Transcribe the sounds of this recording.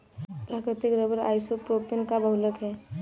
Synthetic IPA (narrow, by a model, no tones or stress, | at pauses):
pɾaːkɾɪt̪ɪkɾəbəɾa̰ːjsopɾoːpɪnkabəɦləkɦɛː